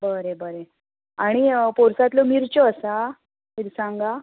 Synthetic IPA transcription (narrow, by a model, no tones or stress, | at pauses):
bəɾebəɾe | aɽ̃ipoɾsat̪lɔmiɾt͡ɕɔəsa | miɾsãŋɡa